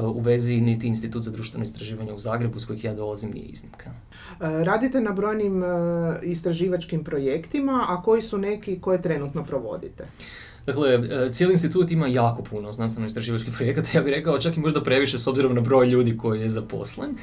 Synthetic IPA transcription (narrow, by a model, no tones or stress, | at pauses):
uʋe̞zinit̪iːnst̪it̪uːt̪zad̪ɾuːʃt̪ʋe̞noist̪ɾaʒiːʋaɲeuzaːɡɾe̞busko̞jixjaːd̪o̞lˠazimnḭjḛḭznimkʰa | ɾaːd̪it̪e̞nabɾo̞jnim | ist̪ɾaʒiːʋat͡ʃkimpɾo̞jekt̪imaʔako̞jisune̞kiko̞jet̪ɾe̞nut̪no̞pɾo̞ʋo̞̰d̪ḭt̪e | d̥̪akle̞t̪sjelinst̪it̪uːt̪imajaːko̞pʰunoznanst̪enoist̪ɾaʒiːʋat͡ʃkipɾo̞je̞kat̪ajaːbixɾe̞kaot͡ʃakimo̞ʒd̪apɾe̞ʋiʃeso̞bziɾo̞mnabɾo̞ːjʎuːd̪iko̞jijezapo̰slen